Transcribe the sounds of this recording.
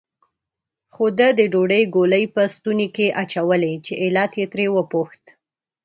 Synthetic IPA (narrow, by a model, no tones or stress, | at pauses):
xod̪əd̪əɖoɖəjɡoləjpəst̪unekeʔat͡ʃawəlet͡ʃeʔɪlat̪jet̪ɾewəpoxt̪